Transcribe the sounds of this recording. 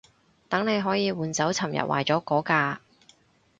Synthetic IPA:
t̪ɐ˨˥ŋne˨˧jɦɔː˨˥jiː˨˧wuː˨˧nt͡sɐ˨˥wt͡sʰɐ˨˩mjɐ̰˨t̚wa̰ː˨˩jt͡sɔː˨˥kɔː˨˥kaː˧

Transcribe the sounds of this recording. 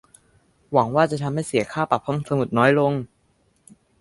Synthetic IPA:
wa˩˦ŋwaː˥˩t͡ɕa˨˩t̪ʰa˧mha˥˩jsi˨˩˦kʰaː˥˩pa˨˩p̚ʰːo˧˥˩msa˧mu˨˩t̪̚nɔː˦˥jlo˧ŋ

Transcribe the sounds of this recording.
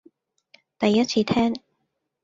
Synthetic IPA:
t̪ɐ˨˩jːɐ˥t̚t͡sʰiː˧t̪ʰɛː˥ŋ

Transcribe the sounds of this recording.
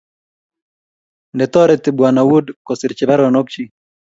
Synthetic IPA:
ndɛt̪ɔ˦ɾɛt̪ɪ˨bwana˨wu˦dkɔsɪ˨ɾt͡ʃɪ˨ba˦ɾɔnɔ˦k̚t͡ʃi˦

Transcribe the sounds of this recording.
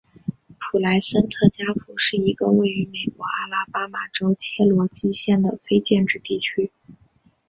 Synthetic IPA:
pʰu˨˩la˧˥ɪsə˥nt̪ʰɤ˥˩t͡ɕja˥pʰu˨˩ʂɻ̩˥˩i˧˥ɡə̰˧we˥˩ɪy˧˥me˨˩ɪkwɔ˧˥a˥˩la˥pa˥ma˨˩ʈ͡ʂo˥ʊt͡ɕʰjɛ˥lwɔ˧˥t͡ɕi˥ɕjɛ˥˩nd̪ə˩fe˥ɪt͡ɕjɛ˥˧nʈ͡ʂɻ̩˥˧t̪i˥˩t͡ɕʰy˥

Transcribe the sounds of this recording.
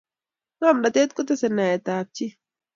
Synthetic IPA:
ŋa˦˨mɗa˨t̪e˦t̪̚kʊ˦t̪ɛ˦sɛ˨nːa˨jɛ˨t̪aː˨p̚t͡ʃi˦

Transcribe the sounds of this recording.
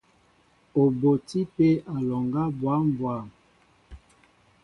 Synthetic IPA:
o˨bo˨ti˦pe˦a˨lɔ˨ŋɡa˦bwa˨˦mbwa˦˨

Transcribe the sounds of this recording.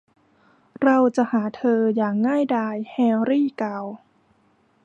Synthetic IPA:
ɾa˧wt͡ɕa˨˩ʔhaː˩˦t̪ʰɤː˧jaː˨˩ŋːaː˥˩jdaː˧jhɛː˧ɾiː˥˩kaː˨˩w

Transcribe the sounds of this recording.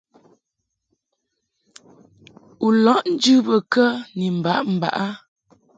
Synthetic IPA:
u˨lɔ˨˦ʔn̩˦d͡ʒʉ˦bə˨kə˦ni˨m̩˨ba˨˦ʔm̩˨ba̰˨ʔa˦

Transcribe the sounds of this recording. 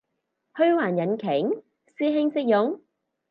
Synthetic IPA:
hɵ˥ɥwaː˨˩njɐ˨˥nkʰɪ˨˩˥ŋ | siː˥ɦɪ˥ŋsɪ˥k̚jʊ˨˥ŋ

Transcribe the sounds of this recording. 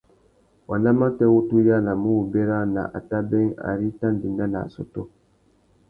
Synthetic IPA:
wa˨na˦ma˦tɛ˦wu˦tu˦ja˦na˨mu˦wu˨be˦ɾa˦na̰˨ʔa̰˨ta˦bɛ˦ŋa̰˨ɾi˦ta˦ndi˨na˦na̰˨so̰˦to˦

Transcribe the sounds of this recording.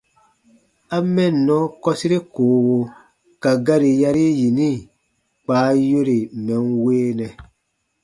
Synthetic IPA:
a˦mɛ˦˨nː˨ɔ̃˦kɔ˦si˦ɾe˦koː˨˦wo˨ | ka˨ɡa˦ɾi˨ja˦ɾi˦ji˨nĩ˦˨ | k͡paː˨˦jo˦ɾi˨mɛ˨nweː˦nɛ˨

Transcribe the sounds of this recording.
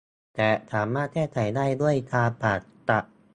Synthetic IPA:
t̪ɛː˨˩sʰaː˩˦mːaː˥˩t̪̚kʰɛː˥˩kʰa˨˩˦jdaː˥˩jdu˥˩əjkʰaː˧paː˨˩t̪̚t̪a˨˩ʔ

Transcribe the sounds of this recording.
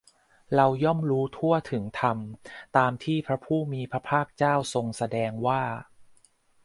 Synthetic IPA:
ɾa˧wjɔ˥˩mɾuː˦˥t̪ʰu˥˩ɐt̪ʰɯ˩˦ŋt̪ʰa˧mt̪aː˧mt̪ʰiː˥˩pʰɾa˦˥pʰuː˥˩miː˧pʰɾa˦˥pʰaː˥˩k̚t͡ɕaː˥˩wso˧ŋsa˧dɛː˧ŋwaː˥˩

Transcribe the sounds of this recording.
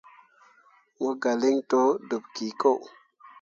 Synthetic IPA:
wo˦ɡa˨li˦ŋto˦du˨pki˨ko˦˨w

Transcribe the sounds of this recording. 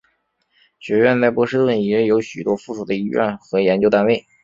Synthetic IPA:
ɕɥɛ˧˥ɥɛ˥˧nt͡sa˥˩ɪpwɔ˥ʂɻ̩˥t̪wə˥˩ni˨˥ə˥jo˧˥ʊɕy˨˩t̪wɔ˥fu˥˩ʂu˨˩d̪ə˦ḭ˧˥ɥɛ̰˥˩nxɤ˧˥jɛ˧˥nt͡ɕjo˥ʊt̪a˥˧nwe˥˩ɪ

